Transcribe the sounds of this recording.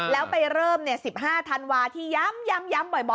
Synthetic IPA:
lɛː˦˥wpa˧jɾɤː˥˩mni˦˥˩əsi˨˩p̚ɦaː˥˩t̪ʰa˧nwaː˧t̪ʰiː˥˩ja˦˥mja˦˥mja˦˥mbɔ˨˩jbɔ˨

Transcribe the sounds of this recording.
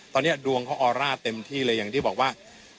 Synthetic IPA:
t̪ɔː˧nːi˦˥˩ɐdu˧əŋkʰaː˦˥˩ʔɔː˧ɾaː˥˩t̪e˧mt̪ʰiː˥˩lɤː˧ja˨˩ŋt̪ʰiː˥˩bɔː˨˩k̚waː˥˩

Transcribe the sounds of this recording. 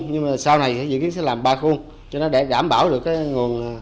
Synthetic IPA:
ɲɨ˧ŋma˨˩saː˧wna˨˩jt̪ʰi˨˧˦zɨ̰˧˨ki˨˦nsɛ̰˧˥laː˨˩mɓaː˧xu˧əŋ | t͡ɕɔ˧nɔ˨˦ɗe˧˩ɗaː˧˩mɓaː˧˩wɗɨ˨˩əkːaː˨˦ŋu˨˩ən˨˩

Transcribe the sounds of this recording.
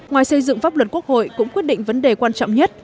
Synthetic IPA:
ŋwaː˨˩jsə˧jzɨ̰˧˨ŋfaː˦˥p̚lwə˨˩t̚ku˦˥ək̚ho̰˧˨jkʊ̰˧˥ŋ͡mkwi˦˥ət̚ɗḭ̈˧˨ŋ̟və˨˦nɗe˨˩kwaː˧nt͡ɕɔ̰˧˨wŋ͡mɲə˦˥t̚

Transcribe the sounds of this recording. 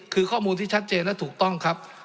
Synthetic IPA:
kʰɯː˧kʰɔː˥˩muː˧nt̪ʰiː˥˩a˦˥t̪̚t͡ɕeː˧nlɛ˦˥˩t̪ʰuː˨˩k̚t̪ɔ˥˩ŋkʰa˦˥p̚

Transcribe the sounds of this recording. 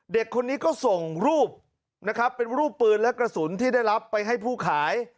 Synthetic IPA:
de˨˩kʰːo˧nːiː˦˥kɔː˥˩so˨˩ŋɾuː˥˩p̚ | na˦˥kʰɾa˦˥pːe˧nɾuː˥˩pːɯː˧nlɛ˦˥kɾa˧su˩˦nt̪ʰiː˥˩da˥˩jɾa˦˥pːa˧jɦa˥˩jpʰuː˥˩kʰaː˩˦j

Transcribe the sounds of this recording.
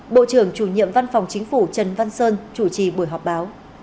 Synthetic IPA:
ɓo̰˧˨t͡ɕɨ˧˩əŋt͡ɕu˧˩ɲḭ˧˨əmva˧nfa˨˩wŋ͡mt͡ɕï˨˦ŋ̟fu˧˩t͡ɕə˨˩nva˧nsəː˧nt͡ɕu˧˩t͡ɕi˨˩ɓu˧˩əjɦɔ˨˩k͡p̚ɓaː˨˦w

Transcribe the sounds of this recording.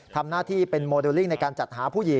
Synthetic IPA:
t̪ʰa˧mnaː˥˩t̪ʰiː˥˩pe˧nmoː˧deː˧li˥˩ŋna˧jkaː˧nt͡ɕa˨˩t̪̚haː˩˦pʰuː˥˩ji˨˩˦

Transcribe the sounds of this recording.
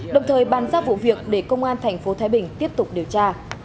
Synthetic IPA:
ɗə˨˩wŋ͡mt̪ʰəː˨˩jɓaː˨˩nzaː˦˥p̚vṵ˧˨vi˨˩ək̚ɗe˧˩kə˧wŋ͡mʔaː˧nt̪ʰɛ˨˩jŋ̟fo˨˦t̪ʰaː˨˦jɓï˧˩ŋ̟t̪i˦˥əp̚t̪ʊ˨˩k͡p̚ɗi˨˩əwt͡ɕaː˧

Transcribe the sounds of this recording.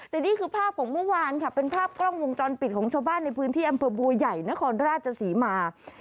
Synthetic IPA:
t̪ɛ˨˩niː˥˩kʰɯː˧pʰaː˥˩p̚kʰɔː˩˦ŋmu˥˩waː˧nkʰa˥˩pe˧npʰaː˥˩p̚klɔ˥˩ŋwo˧ŋt͡ɕɔː˧npi˨˩t̪̚kʰɔː˩˦ŋt͡ɕʰaː˧wbaː˥˩nːa˧jpʰɯː˦˥nt̪ʰiː˥˩ʔa˧mpʰɤː˧bu˧ɐja˨˩jna˦˥kʰɔː˧nɾaː˥˩t̪̚t͡ɕʰa˧siː˩˦maː˧

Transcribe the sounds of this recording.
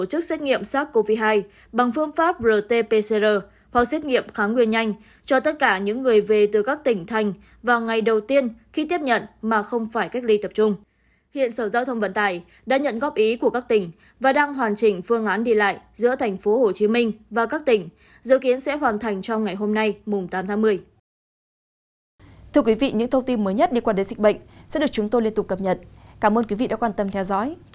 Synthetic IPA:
o˧˩t͡ɕɨ˦˥k̚sɛ˦˥t̚ŋḭ˧˨əmsaː˦˥k̚ko˧vi˦˧˥ɦaː˧j | ɓa˨˩ŋfɨ˧əŋfaː˦˥p̚zəː˨˩t̪e˧pe˧se˧zəː˧˩ | ha˨˩k̚sɛ˦˥t̚ŋḭ˧˨əmxaː˨˦ŋwi˧˩ənɲa˧jŋ̟ | t͡ɕɔ˧t̪ə˦˥t̚kaː˧˩ɲɨ̰˧˥ŋːɨ˨˩əjve˨˩t̪ɨ˨˩kaː˦˥k̚t̪ï˧˩ŋ̟t̪ʰa˨˩jŋ̟ | vaː˨˩wŋa˨˩jɗə˨˩wt̪i˧ənxi˧t̪i˦˥əp̚ɲə̰˧˨nmaː˨˩xə˧wŋ͡mfaː˧˩jka˦˥k̟̚li˧t̪ə˨˩p̚t͡ɕʊ˧ŋ͡m | hḭ˧˨ənsəː˧˩zaː˧wt̪ʰə˧wŋ͡mvə̰˧˥nt̪aː˧˩j | ɗa̰ː˧˥ɲə̰˧˨nɣɔ˦˥p̚ʔi˨˦ku˧˩əkaː˦˥k̚t̪ï˧˩ŋ̟ | vaː˨˩ɗaː˧ŋɦwaː˨˩nt͡ɕï˨˩ŋ̟fɨ˧əŋʔaː˨˦nɗi˧˩la̰ː˧˨jzɨ̰˧˥ət̪ʰɛ˨˩jŋ̟fo˨˦ho˨˩t͡ɕi˨˦mï˧ŋ̟vaː˨˩kaː˦˥k̚t̪ï˧˩ŋ̟ | zɨ̰˧˥ki˨˦ənsɛ̰˧˥ɦwaː˨˩nt̪ʰa˨˩jŋ̟t͡ɕwŋ͡mŋa˨˩jɦo˧mna˧jmʊ˨˩ŋ͡mt̪aː˨˦mt̪ʰaː˨˦ŋmɨ˧əj | t̪ʰɨ˧ək̬wi˨˦vḭ˧˨ɲɨ̰˧˥ŋt̪ʰə˧wŋ͡mt̪i˧nməː˨˦jɲə˦˥t̚ɗe˧˩kwaː˧ɗə˨˦jzï˨˩k̚ɓə̰˧˨jŋ̟sɛ̰˧˥ɗək̚t͡ɕʊ˨˦ŋ͡mt̪o˧li˧ənt̪ʊ˨˩k̚ːə˨˩p̚ɲə̰˨˩t̚kaː˧˩mʔəː˧nkwi˨˦vḭ˧˨ɗa̰ː˧˥kwaː˧˩nt̪ə˧mt̪ʰɛ˧wzɔ̰˧˥j

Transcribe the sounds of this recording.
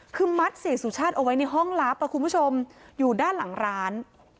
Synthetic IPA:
kʰɯː˧ma˦˥t̪̚siː˩˦suː˨˩˦t͡ɕʰaː˥˩t̪̚ʔa˧wa˦˥jna˧jɦɔ˥˩ŋla˦˥pːa˧˩kʰu˧npʰu˥˩t͡ɕʰo˧mjuː˨˩daː˥˩nla˩˦ŋɾaː˦˥n

